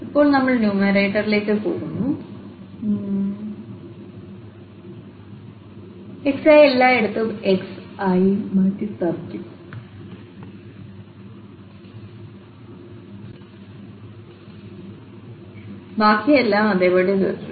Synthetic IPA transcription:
ipːo̞ːɭnɐmːɐɭnjuːmɐɾeːʈːɐrile̞ːkːɨpo̰ːɽunːu | eksɐjelːaːe̞ɽut̪ːɨeksɐjimaːʈːit̪ɐrkːu | baːkʰːijɐelːaːmɐðeːpoːɽet͡ɕo̰u

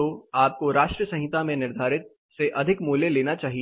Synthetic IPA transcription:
oaːp̚koɾaːʃʈɾiəsɐ̃ɦɪt̪amẽnɪɾd̪ʱaːɾɪt̪̚ | seʔɐd̪ʱɪkmuːleleːnat͡ʃaːɦi

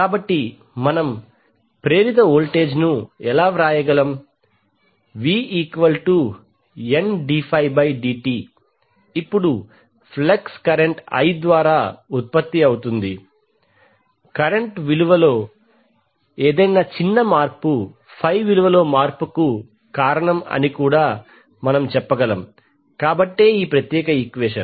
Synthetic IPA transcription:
kaːbɐʈːi | mɐnɐm | pɾe̞ːɾit̪̬ɐoːlʈe̞ːd͡ʒnuɛlaːʋɾaːjɐɡɐlɐm | ʋiːiːkʋɐlʈu | enɖiːpʰɐjbɐjɖiːʈiː | ipːuɽu | pʰlekskɐɾeɳʈɐ̰jd̪ʋaːɾaːut̪̚pɐt̪ːiɐwut̪und̪i | kɐɾeɳʈʋiluʋɐlo̞ː | eːd̪ɐjnaːt͡ʃinːɐmaːɾpu | pʰɐjʋiluʋɐlo̞ːmaːɾpuku | kaːɾɐɳɐmɐ̰nikuːɽaː | mɐnɐmt͡ʃɛpːɐɡɐlɐm | kaːbɐʈːe̞ːiːpɾɐt̪jɛːkɐikʋeːʂɐn

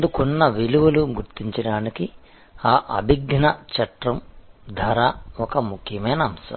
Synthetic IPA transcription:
ɐd̪ukunːɐʋiluʋɐluɡuɾt̪iɲt͡ʃɐɽaːniki | aːʔɐbʱiɡnɐt͡ʃɐʈɾɐmd̪ʱɐɾaːɔkɐmukʰjɐmɐjnɐːmsɐ̰

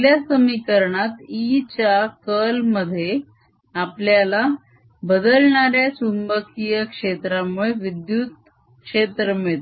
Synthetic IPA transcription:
ljasəmikəɾɳat̪it͡ɕakəlməd̪ʱːje | apljala | bəd̪əlɳaɾjasunbəkijəkʂet̪ɾamuɭeʋid̪jut̪̚ | kʂet̪ɾəmeɭt̪

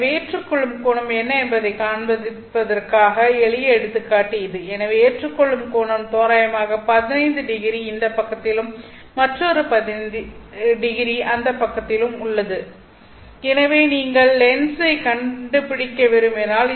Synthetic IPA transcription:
eːʈrɯkːɔɭːɯmkoːɳɐmɛnːɐɛmbɐðɐɪkaːɳbɐðɪpːɐðɐrkaːɣɐɛɭɪjɛɽɯt̪ːɯkːaːʈːɯɪðɯɛnɐʋeeːʈrɯkːɔɭːɯmkoːɳɐmt̪oːɾaːjɐmaːɣɐpɐðɪnɐɪnd̪ɯɖɪɣɪɾiɪnd̪ɐpːɐkːɐt̪ːɪlɯmː | ɐʈrɔɾɯpɐɪ | ɖɪɣɪɾiʔɐnd̪ɐpːɐkːɐt̪ːɪlɯmʊɭːɐðɯ | ɛnɐʋeːniːŋɡɐɭːɛnsɐɪkɐɳɖɯpɪɽɪkːɐʋɛɾɯmɛnaːl

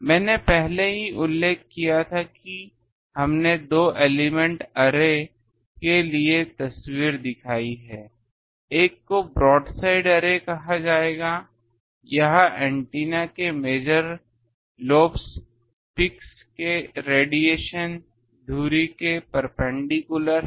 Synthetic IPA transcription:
mɛ̃ːnepɛɦleɦiʔʊlːeːkːijat̪ʰaki | ɦɐmned̪oːʔeːlimɛ̃ɳʈɐɾe | keliet̪ɐswiːɾd̪ɪkʰaːiɦɛː | eːkːobɾɔːɖsaːɪɖɐɾekɐɦad͡ʒaːeːɡaː | jɐɦɛ̃ːɳʈiːnakemeːd͡ʒəɾ | loːps | pɪks | keɾeːɖieːʃən | d̪ʱuːɾikepɐɾpɛ̃ɳɖikʊləɾ

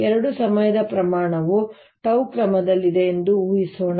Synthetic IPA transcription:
ɛɾɐɽusɐmɐjɐd̪ɐpɾɐmaːɳɐʋu | ʈɐwkɾɐmɐd̪ɐlːid̪eːnd̪uuːjisoːɳɐ

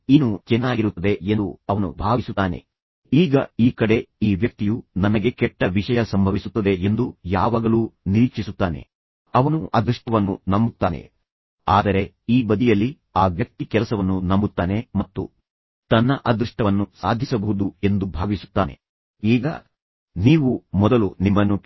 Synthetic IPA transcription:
inːut͡ʃɛnːaːɡiɾut̪ːɐd̪e̞nd̪uɐʋɐnṵbʱaːʋisut̪ːaːne̞̰ | iːɡɐ̰iːkɐɽe̞iːʋjɐk̚t̪ijunɐnɐɡe̞kɛʈːɐʋiʂɐjɐsɐmbʱɐʋisut̪ːɐd̪e̞end̪uja̰ːʋaːɡɐluːniɾiːkt͡ʃisut̪ːaːne̞̰ | ɐʋɐnuʔɐd̪ɾuʂʈɐʋɐnːunɐmbut̪ːaːne̞̰ | a̰ːd̪ɐɾe̞ | iːbɐd̪ijɐlːi | aːʋjɐk̚t̪ikɛlɐsɐʋɐnːunɐmbut̪ːaːne̞mɐt̪ːṵ | t̪ɐnːɐʔɐd̪ɾuʂʈɐʋɐnːusa̰ːd̪ʱisɐbɐɦud̪ue̞nd̪ubʱaːʋisu̥t̪ːaːne̞̰ | iːɡɐ̰ | niːʋumɔd̪ɐlunimːɐnːu

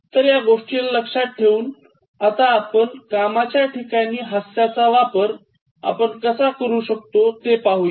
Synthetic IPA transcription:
t̪əɾjaɡoʂʈilləkʂat̪̚ʈʰeuːn | at̪aːpəɳkamat͡ɕjaʈʰikaniːɦəsjat͡saʋapəɾ | a̰pəɳkəsakəɾuːɕək̚t̪ot̪epaɦuj

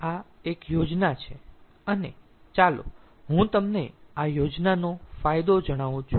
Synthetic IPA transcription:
aekjod͡ʒnat͡ʃʰe | əne | t͡ʃalo̰ | ɦũt̪əmneajod͡ʒnanofajd̪od͡ʒəɽ̃aʋũt͡ʃʰu

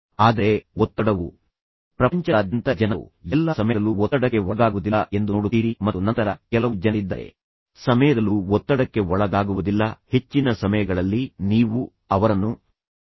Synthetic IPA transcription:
aːd̪ɐɾe̞ɔt̪ːɐɽɐʋu | pɾɐpɐɲt͡ʃɐd̪jɐnt̪ɐd͡ʒɐnɐʋṵjɛlːɐsɐmɐjɐluɔːɐɽɐkːe̞ɔɡ̪aːɡuʋud̪ilɐʔe̞nd̪uoːɽuiːɾimɐt̪ːunɐnt̪ɐɾɐkɛlɐud͡ʒɐnid̪ːɐɾe̞̰ | sɐmɐjɐd̪ɐluɔt̪ːɐɽɐkːe̞ɔɭɐɡ̪aːɡuʋud̪ilːɐhe̞t͡ʃːinɐsɐmɐjɐɡɐɭɐlːiniːʋu | ɐʋɐɾɐnːu

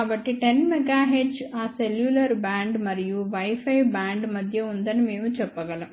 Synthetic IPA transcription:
ɐʋɐʈːiʈenmɛɡaːɦeːɖd͡ʒaːseljulɐɾbaːɳɖmɐɾijuʋɐjfɐjbaːɳɖmɐd̪ʱjɐund̪ɐnumeːʋũt͡ʃɛpːɐɣɐlɐ

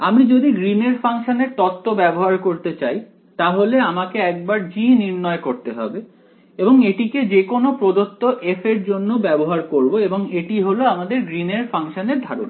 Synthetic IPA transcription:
amɾid͡ʑod̪iɡɾineɾfaŋʃoneɾt̪ɔt̪ːobɛboɦaɾkoɾt̪et͡ɕaj | t̪aɦoleamakeɛk̚baɾd͡ʑiniɾnɔekoɾt̪eɦɔ̰be | eboŋeʈiked͡ʑekonopɾod̪ot̪ːoʔefeɾd͡ʑonːobɛboɦaɾkoɾboeboŋeʈiɦoloamad̪eɾɡɾineɾfaŋʃoneɾd̪ʱaɾo̰n

